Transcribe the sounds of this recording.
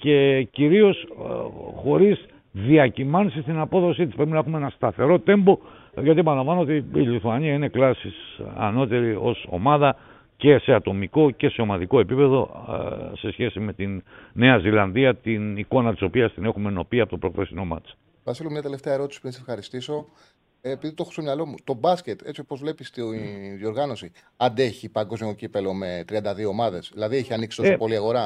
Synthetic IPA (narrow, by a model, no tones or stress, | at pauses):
ce̞ciɾio̞s | xo̞ɾiz | ðiɐcimɐnsist̪inɐpo̞ðo̞sit̪ispeɾepminɐe̞xumeenɐst̪ɐθe̞ɾo̞t̪e̞mbo̞ | ʝɐt̪iepɐnlɐɱvɐnoot̪iiliθuɐɲiɐine̞klɐsisɐ̰no̞t̪e̞ɾiʔo̞̰so̞̰mɐðɐ | ce̞se̞ɐt̪o̞miko̞ce̞se̞omɐðiko̞e̞pipe̞ðo̞̰ | se̞sçe̞sime̞t̪inːe̞ɐzilɐnðiɐt̪iniko̞nɐt̪iso̞piɐst̪ine̞xume̞no̞piɐpot̪opɾo̞kfesino̞mɐ̰t͡s | vɐsilomɲɐt̪ele̞ft̪eɐeɾo̞t̪i̥si̥puɾinsefxɐɾist̪iso̞ | epiðit̪oxo̥st̪omɲɐlo̞mut̪o̞bɐsce̞t̪e̞t͡siopozvle̞pist̪io̞ɾɣɐno̞si | ɐnd̪eçipɐŋɡo̞zmiocipelo̞me̞t̪ɾiɐnd̪ɐðio̞ːmɐðe̞sðilɐðieçiɐniksi̥t̪oopo̞liɐɣo̞ɾɐ